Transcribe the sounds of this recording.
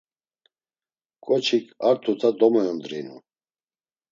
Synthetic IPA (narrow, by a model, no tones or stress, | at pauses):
kʼɔt͡ʃʰikʰʼaɾt̪ʰut̪ʰad̪ɔmɔjɔnd̪ɾḭnṵ